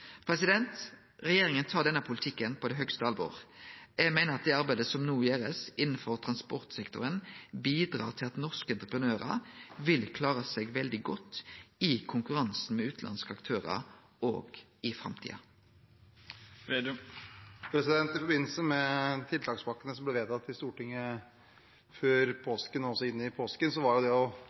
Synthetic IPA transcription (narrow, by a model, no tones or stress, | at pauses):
pʰɾɛsɪd̪ɛnt̪ | ʁɛjeːʁɪŋənt̪ʰɑːʁdɛnːəpʰʊlɪt̪ʰɪkːənpʰɔd̪ɛɦœkst̪əɑlbo̰ːʁjæɡmæɪnəʁɑt̪̚d̪ɛːɑɾbæɪd̪əsɔmnuːjeːʁəsɪnːn̩fɔʁt̪ʰʁɑnspɔʁt̪sɛkt̪ʊʁənbiːd̪ʁɑ̰ːʁt̪ʰɪlɑt̪nɔʁskəɛnt̪ʁəpʁənøːʁə̰ʋɪlkʰlɑːʁəsɛɡʋɛld̪ɪɡɔt̪ːɪkʰʊŋkʉʁɑnsn̩mɛʉːt̪lʔɑ̰nskəɑkt̪ʰøːʁə̰ | o̰ːɡ | ɪfɾɑ̰mt̪ʰḭːɑ | pʰɾɛsɪd̪ɛnt̪ɪfɔɾbɪnːl̩səmɛt̪ʰɪlt̪ʰɑːkspɑkːənəsɔmblɛʋeːt̪ʰɑt̪ʰːɪst̪uːʈɪŋːə | føːɾpʰoːskənɔsɔɪnːɪpʰoːskənsɔʋɑɾjʊd̪ɛɔ